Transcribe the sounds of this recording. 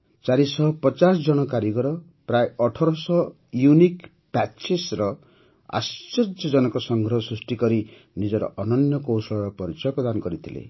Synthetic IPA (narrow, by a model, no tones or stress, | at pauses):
t͡ʃaɾisɔpɔt͡ʃas̬ɔd͡ʒɔɽ̃ɔkaɾiɡɔɾɔ | pɾajeɔʈʰɔɾɔsɔ | junik | pat͡ʃesɾɔ | a̰st͡ʃːɔd͡ʒɔd͡ʒɔnɔkɔsɔŋɡʱɾɔɦɔsɾusʈikɔɾi | nid͡ʒɔɾɔ̰ʔɔnɔnjɔkowsɔɭɔɾɔpɔɾit͡ʃɔjɔpɾɔd̪anɔkɔɾit̪ʰilḛ